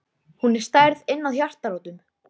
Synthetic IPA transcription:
hunɛɾ̥st̪ajɾðɪnːaðçjar̥t̪aɾoːwt̪ʏm

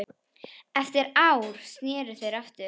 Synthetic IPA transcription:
ɛft̪ɪɾawɾ̥st̪nɪːɾʏθejɾaft̪ʏ

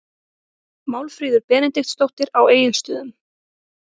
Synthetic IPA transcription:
maːwlfɾiːðʏɾpɛːnɪnt̪ext̪st̪owht̪ɪɾaweːjʏlst̪ʏːðʏm

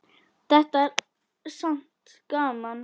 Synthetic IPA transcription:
d̪̥ɛt̪ːəæːɾ | sant̪ | ɡ̥ɑːman

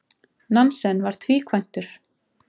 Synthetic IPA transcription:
nansɛnvaɾ̥t̪ʰviːkʰvajn̥t̪ʏɾ̥

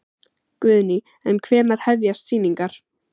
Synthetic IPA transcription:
kvʏːðni | ɛnkʰvɛːmaðhɛvjast̪siːniŋkaɾ̥

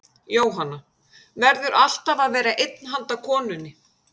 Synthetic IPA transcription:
joːwɦanːa | vɛɾðʏɾʔal̥t̪avaðvɛːɾaʔejt̪nɦant̪akʰɔːnʏnːɪ

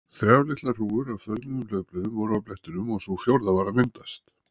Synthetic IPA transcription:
θɾjavlɪht̪lar̥uːʏɾavfœɾnɪnʏmlœːɥɣplœːðʏmvɔɾʏawplɛht̪ʏɾʏmɔɣsuɣfjowɾðavaːɾamɪnt̪ast̪

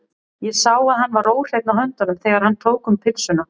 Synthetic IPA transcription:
jɛsaːwaðhanːvaroːwr̥ejt̪naɦœnt̪aɾʏmθɛːɣaɾhant̪ʰoːwkʏmpʰɪlsʏna

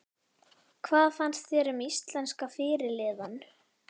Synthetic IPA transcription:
kʰvaːðfanst̪θɛːɾʏmist̪lɛnskafɪːɾɪɾlɪːðan

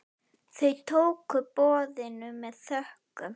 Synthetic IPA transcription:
θejt̪ʰowkʏpɔːðɪnʏmɛðθœhkʏm

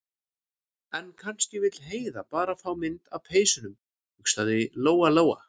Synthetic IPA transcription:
ɛnkʰanscɪvɪt̪lɦeːjðapaːɾafawmɪnt̪awpʰeːjsʏnʏm | hʏkst̪aðɪloːwaloːwa̰

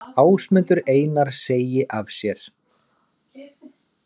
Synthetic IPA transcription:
aːwsmʏnt̪ʏɾeːjnaɾ̥seːjɪʔavsjɛɾ̥

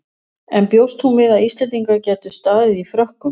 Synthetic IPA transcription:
ɛnpjowst̪hunvɪðaðist̪ɛnt̪iŋkacɛːt̪ʏ̥st̪aːðɪðifɾœhkʏ

